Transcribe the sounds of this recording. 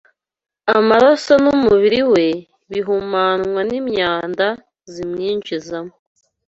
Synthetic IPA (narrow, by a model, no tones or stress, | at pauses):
amaɾasanumuβiɾiwe̞ | βiɦumaːnŋwanimɲaːnda | zimɲiːɲʒizamo